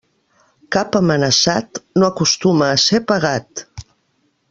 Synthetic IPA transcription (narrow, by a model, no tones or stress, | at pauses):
kapəmənəsat̪noəkust̪uməːsepəɣ̞at̪